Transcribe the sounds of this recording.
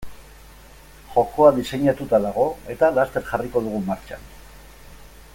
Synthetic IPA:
ʝo̞ko̞aðise̞ɲat̪ut̪aðaɣo̞e̞t̪alast̪e̞ɾʝariko̞ðuɣ̞umaɾt͡ʃa̰n

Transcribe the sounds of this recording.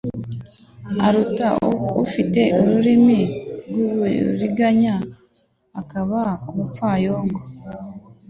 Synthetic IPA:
aɾutaufite̞oɾuɾimiɾɡuɾiɡaɲaː | kaβaumufaːjoːŋɡo

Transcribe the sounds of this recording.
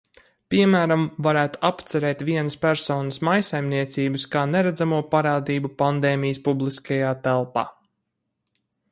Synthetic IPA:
piɛmæːɾamvaɾæːt̪u̥apt̪sɛɾɛːt̪ʋiɛnəspæɾsɔːnəsmajsajmniɛt̪siːbɨskaːneɾæd̪zamuɔpaɾaːd̪iːbupand̪eːmijəspublˠiskajaːt̪ɛlˠpa̰ː

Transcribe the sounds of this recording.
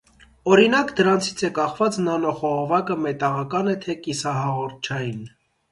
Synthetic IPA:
ɔɾinɑkd̪əɾɑnt͡sʰi̥t͡sʰɛkɑχvɑt͡snɑnɔχɔʁɔvɑkəmɛt̪ɑʁɑkɑnɛt̪ʰɛkisɑɦɑʁɔɾt̪̚ʰt͡ʃʰɑjin

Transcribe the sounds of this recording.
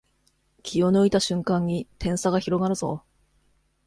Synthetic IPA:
kʲʰio̞noit̪aɕɨ̃ŋkãɲ̟ːit̪ẽ̞ɰ̃saɡaçiɾo̞ɡaɾɯ̟zo̰

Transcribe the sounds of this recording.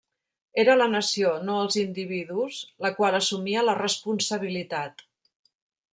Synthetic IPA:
eɾələnəsionoəlˠzind̪iβiðuzləkwalˠəsumiələrəspunsəβ̞ilit̪at̪

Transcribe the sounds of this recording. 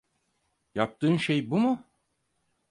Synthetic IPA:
jap̚t̪ʰɯːnʃejbumu

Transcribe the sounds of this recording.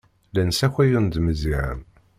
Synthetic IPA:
lænsæçʷæjʊnd̪məziʕə̰m

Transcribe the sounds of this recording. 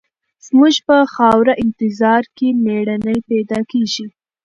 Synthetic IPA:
z̥muʒpəxɑwɾaʔɪnt̪ɪzɑɾkemeɽanəjpɛd̪ɑkeʒi

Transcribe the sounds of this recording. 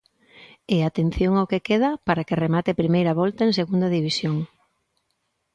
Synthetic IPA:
eat̪en̟θjoŋaʊkekeð̞ɐpaɾakeremat̪epɾimejɾɐβɔlt̪ɐeŋseɣund̪ɐðiβisjoŋ

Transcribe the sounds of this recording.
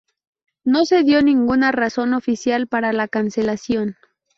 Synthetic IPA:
no̞se̞ðjo̞nĩŋɡunaraso̞no̞fisjalpaɾalakanse̞lasjo̞n

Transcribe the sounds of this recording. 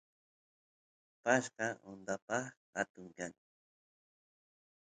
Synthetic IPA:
paʃqɑʊnd̪apɑχha̰t̪ʊŋkaŋ

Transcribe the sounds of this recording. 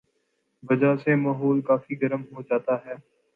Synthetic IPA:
ʋəd͡ʒaːseːmaːɦoːlkaːfiːɡəɾəmɦoːd͡ʒaːt̪aːɦɛː

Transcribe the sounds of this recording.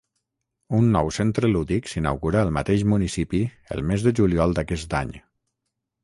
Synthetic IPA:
unːɔwsent̪ɾəluðiksina̰wɣuɾaːlˠmət̪eʃmunisipi | ə̰lˠmezðəʒuliɔlˠd̪akɛst̪a̰ɲ

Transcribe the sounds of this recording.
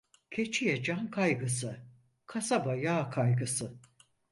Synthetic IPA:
cʰe̞t͡ʃʰijɛd͡ʒankʰajɡɯsɯ | kʰasabajaːkʰajɡɯsɯ

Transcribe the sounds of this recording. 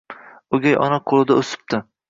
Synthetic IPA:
oɡʲajɒ̰naqʰolˠɪd̪aɵsɪ̥p̚t̪ʰɪ

